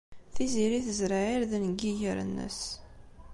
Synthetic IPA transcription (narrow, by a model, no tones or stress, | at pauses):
θiziɾiθəzɾaiɾðnəɡiʝəɾə̰nːə̰s